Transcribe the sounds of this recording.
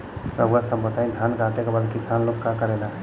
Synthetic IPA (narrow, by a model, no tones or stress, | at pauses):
ɾəbasəmpət̪aĩd̪ʱankaʈekebaːd̪kit͡ʃʰanlokːakəɾela